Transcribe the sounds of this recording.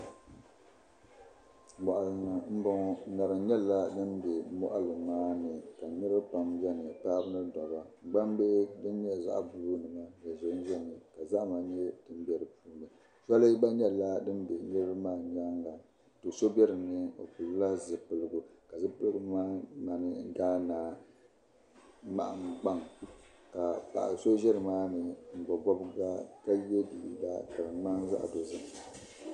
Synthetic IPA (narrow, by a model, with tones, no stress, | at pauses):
mɔ˨ʔa˨lnɨ˨m̩˦bɔ˦ŋɔ˦˨na˨ɾɨ˨ɲɛ˦la˦dɨ˦n˦bɛ˨˦mɔ̰˦ʔa˦lɨ˨maː˦nɨ˨ka˨ɲɛ˦ɾɨ˦pa˨mzɛ˦nɨ˨paː˦bɨ˦nɨ˦dɔ˨ba˨ŋ͡m̩˨ɡ͡ba˦m˦be˦dɨ˦n˦ɲ˦ɛ˦˨za̰˦˨ʔbu˦nɨ˨ma˦ja˨zo˨˦ʒɛ˦nɨ˨ka˨za˦ʔma˨ɲɛ˦dɨ˦m˦bɛ˦ɾɨ˨puː˦nɨ˨ | sa˦lɨ˦ba˦ɲɛ˦la˦dɨ˦m˦bɛ˨ɲɛ˦ɨ˦ba˦maː˦˨ɲ˦a˦ŋɡa˨ | to˨so˦bɛ˦ɾɨ˨nɨ˦o̰˨pu˨lla˦zɨ˨pɨ˨lɨ˦ɡʊ˨ka˨zɨ˦pɨ˦lɨ˦ɡu˦maː˦ma˨nɨ˦ɡaː˦naː˨ | ma̰˨ʔa˨ŋɡ͡ba˦ŋ | ka˨pa̰˨ʔso˦ʒɛ˦ɾɨ˨maː˦nɨ˨ŋ̩˨ɡ͡bɔ˨bɔ˦bɡa˦ka˦jɛ˦di˨i˨ba̰˦ka˨ɾɨ˨ma˦nza̰˦ʔa̰˨do˨zɨ˦ŋ˨